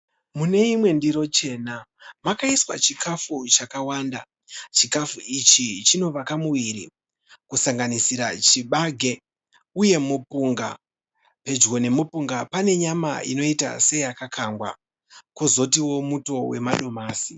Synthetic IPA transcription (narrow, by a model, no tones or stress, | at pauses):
mune̞imwe̞ndiɾo̞t͡ʃe̞ːnamakaiswa̰t͡ʃikʰafut͡ʃakawanda̰ | t͡ʃikafuit͡ʃit͡ʃino̞ʋakamuwiɾḭ | kusaŋɡanisiɾat͡ʃiɓaɡʱe̞ | uje̞mupuŋɡa̰ | pe̞d͡ʒɣo̞ne̞mopuŋɡapane̞ɲama̰ḭno̞ita̰se̞jakakʰaŋɡwa̰ | kozo̞tiwo̞muto̞we̞̰maɗo̞maːsi